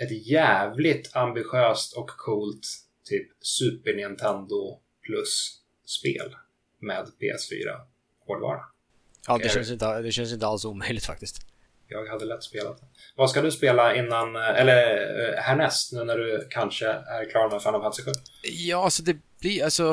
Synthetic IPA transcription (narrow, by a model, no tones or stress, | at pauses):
ɛt̪jæːvlɪt̪ʰambɪɧøːst̪ʰɔkʰːuːlt̪ʰː | yːpsʉ̟ːpəɳɪnt̪ʰɛnd̪ʊ | pʰlɵsː | pḛːl | meːd̪pʰḛːɛ̰sfy̰ːɾa̰ | kʰoːɖ̪vɑ̰ːɾa̰ | jɑːd̪ɛʃɛns̬ɪnt̪əd̪ɛɕɛns̬ɪnt̪əalsuːmœjlɪɡ̚t̪fa̰k̚t̪ɪst̪ | jɑːɡhad̪ːəlɛt̪ːspeːla̰t̪̚ɛvaskad̪ɵspeːlaɪnːanɛlːəɾhæːɳɛst̪nʉ̟ːnæɖɵkʰanʂəæɾkʰlɑːɾmɛfɛnːɔvhansɪɧʉːjɑːasɔd̪ɛblɪalsɔ